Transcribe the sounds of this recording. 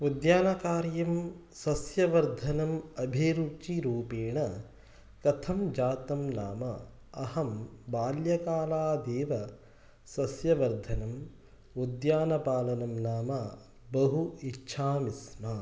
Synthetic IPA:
ud̪jaːnɐkaːɾjɐmsɐsjɐʋɐɾd̪ʱɐnɐmɐbʱeːɾut͡ʃiɾuːpeːɳɐ | kɐt̪ʰɐmd͡ʒaːt̪ɐmnaːmɐ | ɐhɐmbaːljɐkaːlaːd̪eːʋɐ | sɐsjɐʋɐɾd̪ʱɐnɐm | ud̪jaːnɐpaːlɐnɐmnaːmɐ | bɐɦuitːʃʰaːmisma

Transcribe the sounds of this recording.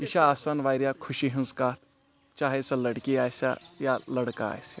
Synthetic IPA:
iʃaːsaːnʋaːjɾjakʰuʃiɦɐ̃nskaːt̪ʰ | t͡ʃaːɦesɐlɐɽkiaːjsa̰jalɐɽka̰a̰ːjsa

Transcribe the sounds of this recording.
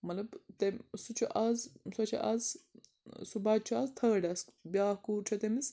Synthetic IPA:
mɐlɐbt̪esut͡ʃʰuʔɐzsɐt͡ʃʰḭʔɐz | subɐt͡ʃʰuɐzt̪ʰɐːɖɐsbjaːhkuːɾt͡ʃʰɐt̪emis

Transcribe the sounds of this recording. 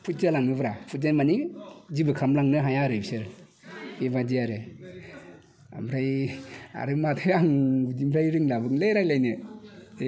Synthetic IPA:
pʰut̚zalaŋnɯbɾapʰut̚zanmanizibɯkʰamlaŋnɯɦajaɾɯbsɯɾ | ebadiaɾɯ | a̰mɾaja̰ɾɯmatʰɯjaŋbud͡ʒimpʰɾajɾiŋlabɯŋlejɾajlajnɯ

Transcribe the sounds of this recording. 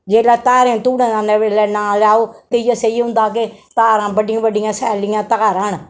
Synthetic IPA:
d͡ʒeːlɛːt̪aːɾẽːt̪uːɽẽːnãːneʋeːlɛːnãːlaːoːt̪eɪjaseiːɦʊ̃nd̪aːk̬et̪aːɾãːbəɖɪjãːʋəɖɪjãːsɛːlɪjãːt̪əkaːɾãːn

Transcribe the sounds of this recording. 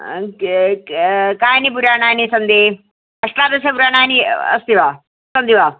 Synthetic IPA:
kajnip̬uɾjananisɐnd̪e | ɐʂlat̪əs̬epuɾjananiə̰st̪iʋa | sɐnd̪iʋa

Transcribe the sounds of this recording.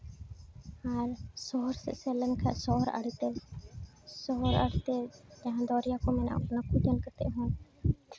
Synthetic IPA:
aːɾsoːɾsə̰seːlənkʰa̰ːʔsoːɾə̰ɽit̪e | soːɾə̰ɽt̪eːd͡ʒaɦãːd̪ɔːɾɪjaːkoːmena̰ːnəkːuːd͡ʒənkət̪ḛːɦõː

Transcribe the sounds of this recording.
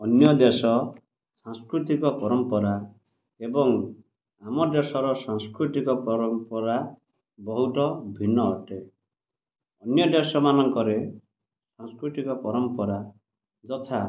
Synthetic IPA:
ɔnjɔd̪esɔ | sãŋskɾut̪ikɔpɔɾɔmpɔɾa | ebɔŋ | amɔd̪esɔɾɔsaŋskɾut̪ikɔpɔɾɔmpɔɾa | bɔɦut̪ɔbʱinːɔːʈe | ɔnjɔd̪esɔmanɔŋkɔɾe | sãŋskɾut̪ikɔpɔɾɔmpɔɾa | d͡ʒɔt̪ʰa

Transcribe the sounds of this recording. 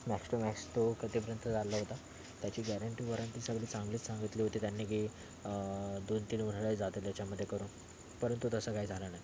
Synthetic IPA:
mæksʈomæksʈ̪okət̪ep̬əɾjənt̪əd͡zalːəɦot̪a | t̪jat͡ɕiːɡæɾəɳʈiːʋɔɾənt̪iːsəɡliːsãŋɡliːsãŋɡət̪liːɦot̪iːt̪janːeɡi | d̪ont̪iːlʋənɭəd͡zat̪elt̪jat͡ɕaməd̪ʱːjekəɾuːn | pəɾənt̪ut̪əsəːkaid͡zʱalənaj

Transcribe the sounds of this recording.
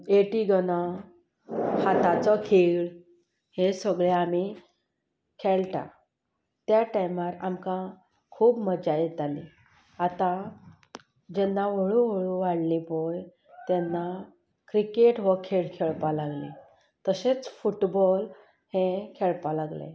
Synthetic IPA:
eʈiɡəña | hat̪at͡sɔkʰeɭ | hẽsəɡɭeami | kʰeɭʈa̰ | t̪jaʈajmaɾa̰mkã | kʰuːbməd͡ʑajet̪ali | at̪ã | d͡ʑɛnːaʋəɭũʋəɭũʋaɽlipoj | t̪ɛnːa | kɾikeʈʋəkʰeɭkʰeɭpalaɡlḭ | t̪əɕet͡sfuʈbɔl | hẽkʰeɭpalaɡlḛ

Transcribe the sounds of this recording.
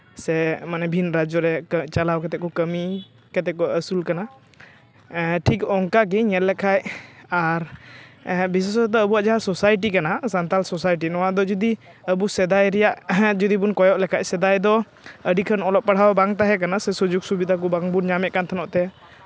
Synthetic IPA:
sɛmanɛbʱinɾad͡ʒɔɾɛt͡ʃalawkɛt̪ɛʔkɔkəmi | kɛt̪ɛkɔwaʔəsulkana | ʈʰikɔŋkaɡ̬iɲɛllːɛkʰajaɾ | bis̬wasɾɛd̪ɔəbuwaʔd͡ʒaɦasɔsajʈ̬ikanasant̪alsɔsajʈ̬inɔwad̪ɔd͡ʒud̪i | əbusɛd̪ajɾɛjaʔd͡ʒud̪ibunkɔjɔʔlɛkʰacsɛd̪ajd̪ɔ | əɖikʰənɔlɔp̚paɽ̤awbaŋt̪aɦɛk̬anasɛsud͡ʒuɡsubid̪ʱak̬ɔbaŋbunɲamɛʔ̚kant̪ʰɔnɔʔt̪ɛ

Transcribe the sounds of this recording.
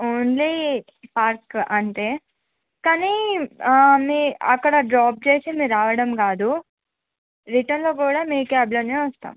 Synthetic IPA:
oːnli | paːɾkɐɳʈeː | kaːni | miɐkːɐɽɐɖɾaːp̚t͡ʃeːsemiːɾaːʋɐɽɐmkaːd̪u | ɾiʈɐnloːkuːɽaːmiːkaːblɐneʋɐst̪a̰ːm

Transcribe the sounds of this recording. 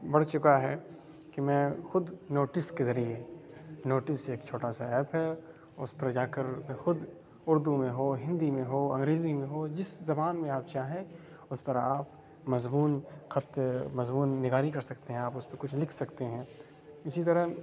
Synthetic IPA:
bɐɽ̤t͡ʃʊkaɦɛ | kimɛ̃ːxʊd̪noːʈɪskezɐɾienoːʈɪseːkt͡ʃʰoːʈasaɛːpɦɛ | ʊspɐɾd͡ʒaːkəɾmẽxʊd̪ | ʊɾd̪umẽɦoːɦɪ̃nd̪imẽɦoːɐ̃ŋɡɾeːzimẽɦod͡ʒɪszɐbaːnmẽaːpt͡ʃaːɦɛ̃ | ʊspɐɾaːp | mɐzmuːnxɐt̪mɐzmuːnːɪɡaːɾikɐɾsɐkt̪eɦɛ̃aːpʊspɐkʊt͡ʃʰlɪkʰsɐkt̪eɦɛ̃ː | ɪsit̪ɐɾəɦ

